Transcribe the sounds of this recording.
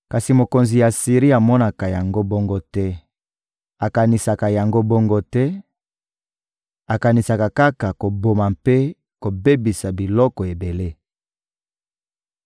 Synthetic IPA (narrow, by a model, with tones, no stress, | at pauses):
ka˨si˨mo˨ko˨nzi˨ja˨si˨ʁi˦a˨mɔ˦na˨ka˨ja˨ŋɡo˦bɔ˦ŋɡo˦tɛ˦ | a˨ka˨ni˨sa˨ka˨ja˨ŋɡo˦bɔ˦ŋɡo˦tɛ˦ | a˨ka˨ni˨sa˨ka˨ka˦ka˨ko˨bo˨ma˨mpe˦ | ko˨be˦bi˨sa˨bi˨lɔ˦kɔ˨e˨be˨le˦